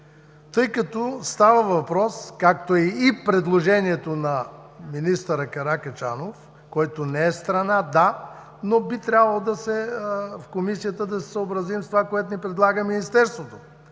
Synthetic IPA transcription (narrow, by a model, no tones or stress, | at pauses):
t̪ɤjkɐt̪ɔst̪avəvɐpɾɔskak̚t̪oɛipɾɛd̪lˠoʒɛniɛt̪onɐ | minist̪əɾəkɐɾakɐt͡ʃa̰nof | kɔjt̪onɛɛst̪ɾɐnad̪a | nobit̪ɾʲjabɐlˠod̪ɐsɛfkomisijət̪əd̪ɐsɛ̥səobɾɐzimst̪ovakoɛt̪onipɾɛd̪lˠaɡəminist̪ɛɾst̪vot̪o̥